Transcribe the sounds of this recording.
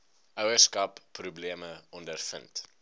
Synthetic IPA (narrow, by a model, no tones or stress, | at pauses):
ʔœwəskɐpːrubliəməɔndərfə̰nt